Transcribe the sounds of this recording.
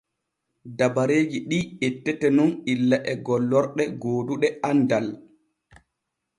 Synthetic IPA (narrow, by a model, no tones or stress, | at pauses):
dabaɾeːd͡ʒiɗiːetːɛtɛnunilːaʔɛɡɔlːɔɾɗɛɡoːduɗɛandal